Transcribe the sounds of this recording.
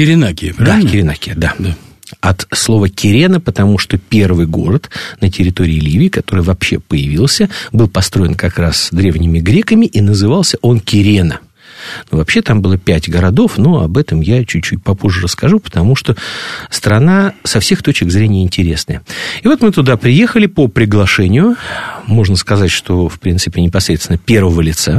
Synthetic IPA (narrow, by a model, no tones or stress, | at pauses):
kʲɪɾʲɪnakʲɪd̪akʲɪɾʲɪnakʲɪəd̪a | ɐt̪slˠo̞vəkʲɪɾʲenəpət̪ɐmuʂt̪opʲe̞rvɨjɡo̞̰ɾət̪nətʲɪɾʲɪt̪o̞ɾʲɪːlʲivʲɪːkɐt̪o̞ɾɨjvɐpɕːe̞̰pəjɪvʲilˠsʲəbɨlˠpɐst̪ɾo̞ɪnkɐkɾasd̪ɾʲe̞vnʲɪmʲɪɡɾʲe̞kəmʲɪʔinəzɨvɑlˠsʲəʔo̞nkʲɪɾʲenə | nuvɐpɕːe̞t̪ambɨlˠəpʲætʲɡəɾɐd̪o̞fnoɐ̰bɛt̪əmjat͡ɕʉːʉtʲpɐpoʐɨrəskɐʐupə̥t̪ɐmuʂt̪ost̪ɾɐnasɐfsʲe̞xt̪ot͡ɕkɪɡzɾʲenʲɪjəɪnʲtʲɪɾʲe̞snə̰jəɪvo̞t̪mɨt̪ʊd̪apɾʲɪje̞xəlʲɪpəpɾʲɪɡlˠɐʂɛnʲɪjʊmo̞ʐnəskɐzatʲʂt̪o̞fpɾʲint̪sɨpʲɪnʲɪpɐsɾʲet̪st̪ʲɪnəpʲe̞rvəvəlʲɪt̪sa